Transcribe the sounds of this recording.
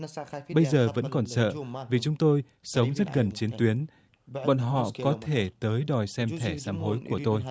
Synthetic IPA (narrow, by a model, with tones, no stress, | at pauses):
ɓə˧jzəː˨˩və̰˧˥nkɔ˨˩nsə̰ː˧˨vi˨˩t͡ɕʊ˨˦ŋ͡mt̪o˧j | sə˨˦wŋ͡mzə˦˥t̚ɣə˨˩nt͡ɕi˨˦ənt̪wi˨˦ən | ɓɔ̰˧˨nɦɔ̰˧˨kɔ˨˦t̪ʰe˧˩t̪əː˨˦jɗɔ˨˩jsɛ˧mt̪ʰɛ˧˩saː˨˦mɦo˨˦jku˧˩ət̪o˧j